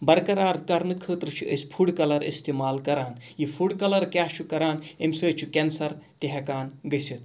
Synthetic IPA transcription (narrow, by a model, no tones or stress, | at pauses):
bɐɾkɐɾaːɾkɐɾnɨkʰəːt̪ɾɨt͡ʃʰiʔə̰sʲpʰuɽkɐlɐɾḭst̪eːmaːlkɐɾaːnjipʰuɽkɐlɐɾkjaːt͡ʃʰukɐɾaːnemsəːt͡ʃʰukʲensɐɾt̪eɦekaːnɡɐsit̪̚